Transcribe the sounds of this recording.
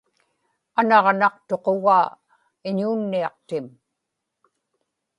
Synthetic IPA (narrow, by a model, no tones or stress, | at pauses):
anɑʁnɑq̚t̪o̞qo̞ɣaː | ɪɲuːnːiɑq̚t̪ɪm